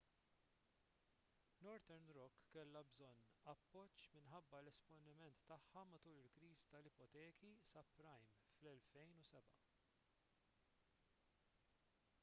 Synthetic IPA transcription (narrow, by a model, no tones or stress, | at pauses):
nɔɾt̪ɛɾnɾɔkːɛlːɐbzɔnːɐpːɔt͡ʃːmɪnħɐbːɐlɛspɔnɪmɛnt̪ːɐħːɐmɐt̪uːlɪlkɾiːzit̪ɐlɪpɔt̪ɛːkʰisɐpɾɐjm | flɛlfɛjnusɛbɐ